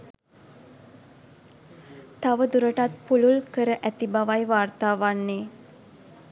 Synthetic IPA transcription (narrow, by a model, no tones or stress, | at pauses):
t̪aʋəd̪uɾəʈat̪̚pululkəɾəʔæt̪ibaʋajʋaːrt̪aːʋanːeː